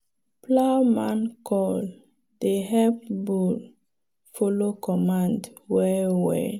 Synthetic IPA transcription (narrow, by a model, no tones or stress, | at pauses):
plamãnkʰɔl | d̥eɦɛp̚bul | folokʰɔmãndwɛwɛ̰